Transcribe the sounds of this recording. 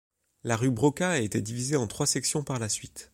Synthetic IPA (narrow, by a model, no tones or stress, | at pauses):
laʁybʁɔkaet̪ɛd̪ivizeɑ̃t̪χwasɛksjɔ̃paʁlasɥit̪